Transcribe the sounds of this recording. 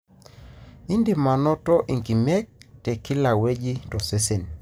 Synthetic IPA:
i˦ndi˨ma˨nɔ˦tɔ˦ʔi˨ŋki˨mɛ˦k̚tɛ˨ki˦la˨we˦d͡ʒi˦tɔ˨se˦se˨n

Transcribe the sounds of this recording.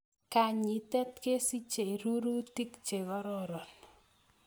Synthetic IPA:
ka˨ɲi˨˦tɛ˦tke˦si˦t͡ʃe˨i˨ɾu˦ɾu˦ti˦kt͡ʃe˨βɔ˦ɾɔ˦ɾɔ˨n

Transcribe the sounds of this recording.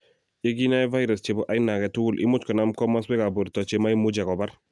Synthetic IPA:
e˦ɡi˦na˦ɛ˦va˦jɾa˨st͡ʃe˨bɔ˨ʔa˦jnːa˨kɛ˨tu˦ɡu˦lʔɪ̰˦mʊ˦t͡ʃkɔ˨na˦mkɔ˦ma˦sbɛ˦ka˨bu˨ɾtɔ˨t͡ʃe˨ma˦i˦mu˦d͡ʒɛ˨kɔ˨ba˦ɾ

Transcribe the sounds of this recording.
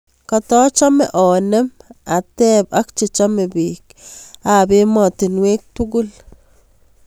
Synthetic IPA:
ka˨tɔ˦t͡ʃa˦mɛʔɔ˨nɛ˦ma˨tɛ˦pak̚t͡ʃe˨t͡ʃa˦me˨bik̚ | abe˦mɔ˨tɪ˨nwe˦k̚tuɡʊ˦l

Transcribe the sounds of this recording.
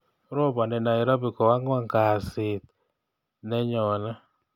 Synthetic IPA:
ɾo˦ba˨nɛ˨na˨ɪ˨ɾa˦bi˨ko˨wa˦ŋ˦a˦ŋka˨sɪ˨t̪̚ | nɛ˦ɲɔ˨na˦

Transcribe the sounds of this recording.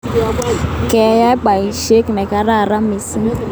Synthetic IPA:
kɛ˨˦ja˦k͡pa˨i˨ʃe˦ki˨mɛ˨ka˧ɾa˦˨ɾa˦mi˨si˦

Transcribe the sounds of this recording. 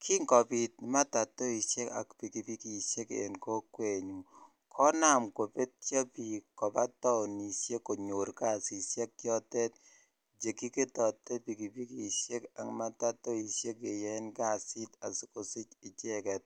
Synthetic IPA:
kʰi˦ŋkɔ˨pi˨t̚ma˦ta˨tːɔ˦i˨ʃe˦ka̰˨kpi˨ki˨pi˦ki˨ʃje˦kḛ˨nko˦kwe˨ɲu˨ | kʰɔ˦na˦mko˨pe˦t̚t͡ʃɔ˦pi˨kːɔ˨pa˦tɔ˦˨ni˨sje˦kːo˨ɲo˨ɾka˦˨si˨sjɛ˦k̚ːjɔ˦tɛ˦t̚ | d͡ʒe˨ki˦ke˦tɔ˨tːɛ˦pi˨ki˨pi˦ki˨ʃe˦ka˨ŋma˦ta˦tɔ˦i˨ʃje˦ke˨jɛ˦nka˦˨si˦ta̰˨si˦ko˨sɪ˦t͡ʃɪ˨t͡ʃɛ˦kɛ˨t̚

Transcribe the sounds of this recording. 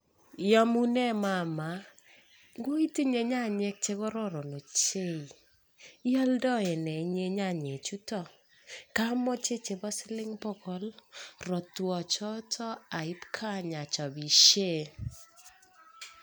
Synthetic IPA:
jɔ˦mu˦nɛ˦ma˨ma˨˦ | ɡo˦i˦ti˦ɲe˨ɲa˦˨ɲɛ˦k̚t͡ʃe˦ɡɔ˦ɾɔ˦ɾɔ˨no˨t͡ʃe˦i˨ | i˦ɔ˦ldɔ˦ɛ˨nɛ˨˦ɲe˦ɲa˦˨ɲe˨t͡ʃu˦tɔ˦˨ | ka˦mɔ˦t͡ʃe˦t͡ʃe˨bɔ˦sɪ˦lɪ˦ŋbɔ˦kɔ˦lɾɔ˨twɔ˨t͡ʃɔ˦tʰɔ˦a˨ɪ˦pkʰa˦ɲa˨t͡ʃɔ˨bi˨ʃe˦˨

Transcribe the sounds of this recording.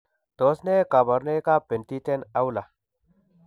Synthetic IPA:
t̪oː˨˦sne˦ka˨bɐ˨ɾne˦ka˦pe˨nt̪i˦t̪e˦na˦wla˨

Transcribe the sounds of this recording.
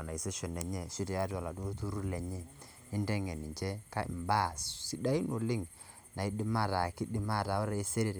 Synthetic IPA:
na˨i˨se˦ʃɔ˨nɛ˨ɲɛ˨si˦tɛ˨a˦da˨la˨do˦tu˦ɾu˦lɛ˨ɲɛ˦ | i˦ndɛ˦ŋɛ˨ni˨ɲt͡ʃɛ˦ka˦ḭ˨mba˦˨ssi˦da˦i˦no˨lɪ˦ŋ | na˨i˦dɪ˦ma˦ɾa˨ki˦dɪ˦ma˦˨ɾa˨ɔ˦ɾe˨i˦se˦ɾi˦˨ɾ

